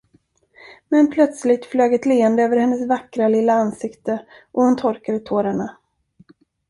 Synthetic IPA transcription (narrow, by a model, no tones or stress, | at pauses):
mɛnpʰlœt̪slɪt̪fløːɡɛt̪leːɛnd̪əøːvəɾhɛnːəsvakɾalɪlːaansɪkt̪əʔɔhʊnt̪ʰɔɾkad̪ət̪ʰoːɾaɳa